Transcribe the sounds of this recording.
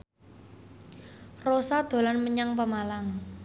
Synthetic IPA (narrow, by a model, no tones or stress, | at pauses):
rosad̪̥o̤lanməɲaŋpəmalaŋ